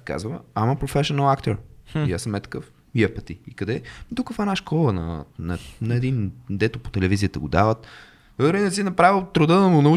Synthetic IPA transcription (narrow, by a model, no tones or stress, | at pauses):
ka̰zvəamɐpɾofɛʃonəlˠakt̪oɾiasəmɛt̪ə̥kəf | jɛpət̪iikɐd̪ɛd̪ukɐk̪vanaʃkɔlˠənɐ̰nɐnɐɛd̪ind̪ɛt̪opo̥t̪ɛlɛvizijət̪əɡod̪avət̪ | ɾinɛsinɐpɾavilˠt̪ɾʊd̪əd̪ɐmʊnɐu